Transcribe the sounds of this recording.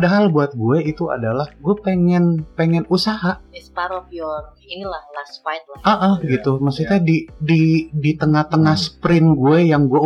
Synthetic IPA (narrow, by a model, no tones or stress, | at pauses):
padaɦalbuat̪̚ɡuɛit̪ua̰dalahɡuɛpeŋɛnpeŋɛnusaɦaʔɛspaɾɔpiɔr | ilahlasfajnlaʔəʔəhɡit̪umasit̪adididit̪əŋaht̪əŋahsə̥pɾɪnɡuɛjaŋɡue